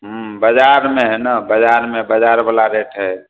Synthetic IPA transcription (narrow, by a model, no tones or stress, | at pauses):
ɦubəd͡ʒaɾmeɦɛnabəd͡ʒaɾmebəd͡ʒaɾbəlaɾeʈʰɦɛ